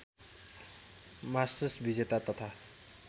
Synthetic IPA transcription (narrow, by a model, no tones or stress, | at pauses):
masʈəsbid͡zet̪at̪ʌt̪ʰa